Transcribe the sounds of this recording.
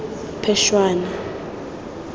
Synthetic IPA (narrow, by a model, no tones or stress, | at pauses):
pʰɛʃwaːna